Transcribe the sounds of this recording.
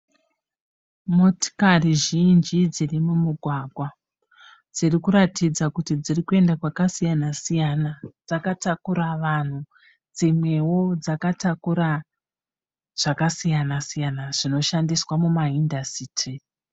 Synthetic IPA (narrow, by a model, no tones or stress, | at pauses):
mo̞ti̥kariʒind͡ʒid͡zirimumuɡʱwaɡʱwa | d͡zirikuɾatid͡zakutid͡zirikue̞ndakwakasijanasijanad͡zakatakuɾaʋan̤u | d͡zimwe̞wo̞d͡zakatakuɾa | ʐ̥akasijanasijanaʐ̥ino̞ʃandiswamumaindasiːtʰi